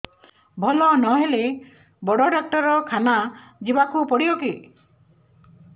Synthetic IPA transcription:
bʱɔlɔnɔɦele | bɔɽɔɖak̚ʈɔɾɔkʰanad͡ʒibakupɔɽiɔki

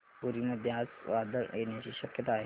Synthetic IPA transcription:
bʊɾimɐd̪jaːsʋaːd̪əɾeːnet͡ʃiʃɐkjət̪aːɦ

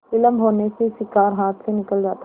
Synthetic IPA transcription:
ɪləmbɦoːnekesɪkaːɾɦaːt̪ʰsenɪkəld͡ʒaːt̪a

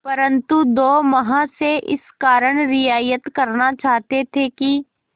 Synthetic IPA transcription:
pɐɾə̃nt̪ud̪oːmɐɦãseʔɪ̰skaːɾəɽ̃ɾɪjaːjət̪kɐɾnat͡ʃaːɦt̪et̪ʰeki

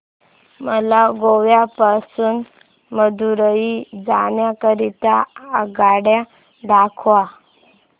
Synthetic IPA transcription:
məlaɡoʋjapasuːn | məd̪uɾəid͡zaɳjakəɾit̪aəɡaɽja | d̪akʰʋa

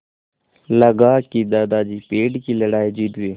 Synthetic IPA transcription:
ləɡaːkid̪aːd̪aːd͡ʒiːpeːɖkiləɽaːid͡ʒid̪eː

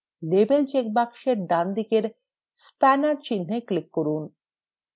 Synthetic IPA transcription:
lebelt͡ɕek̚bakʃeɾɖand̪ikeɾ | spɛnaɾt͡ɕinːeklikːoɾun

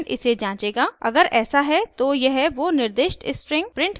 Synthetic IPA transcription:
nʔɪ̰sed͡ʒãːt͡ʃeːɡaːɐ̰ɡəɾɛːsaɦɛt̪ojɐɦɛʋonɪɾd̪eːʃʈɪspɾɪ̃ŋɡpɾɪ̃ɳʈ

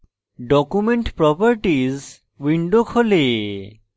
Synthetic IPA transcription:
ɖɔkumeɳʈpɾɔpəɾʈiz | wiɳɖokʰole

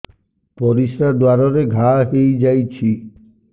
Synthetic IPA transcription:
pɔɾisɾad̪waɾɔɾeɡʱaɦejd͡ʒajt͡ʃʰi

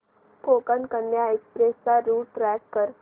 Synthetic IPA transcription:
koːkənkənjaekspɾeːsːaɾuːʈɾɛːk̚kəɾ

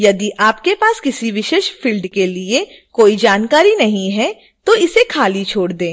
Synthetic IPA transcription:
jɐd̪iʔaːpkepaːskɪsiʋɪʃeːʃfɪlɖkelie | koːid͡ʒaːnkaːɾinɐɦĩɦɛ | t̪oɪsekʰaːlit͡ʃʰoːɽd̪ẽː

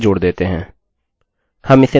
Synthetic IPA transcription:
d͡ʒʊːɽd̪eːt̪eːɦɛ̃ː | həmɪseː

